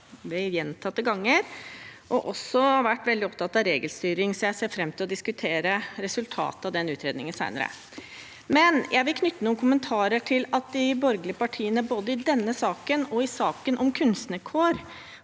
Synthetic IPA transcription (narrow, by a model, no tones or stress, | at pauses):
ʋɛjɛnt̪ʰɑt̪ːəɡɑŋːəɾʔɔʔɔsɔhɑɾʋæʈːʋɛld̪ɪɔp̚t̪ʰɑt̪ːɑʋɾeːɡəlst̪yːɾɪŋsɔjæɪseːfɾɛmːt̪ʰɪlɔd̪ɪskʉt̪ʰeːɾəɾɛsʉlt̪ʰɑ̰ːt̪əɑʋd̪ɛnʉːt̪ʰɾeːd̪nɪŋənsæ̰ɪnə̰ɾə̰ | mɛnjʔæɪʋɪlkʰnʏt̪ːənuːnkʰʊmənt̪ʰɑːɾəʈʰɪlɑt̪̚d̪ɪbɔɾɡəlɪəpɑʈʰiːənəboːd̪əɪd̪ɛnːəsɑːkənɔɪsɑːkənʔɔmkʰʉnst̪nəkʰoːɾ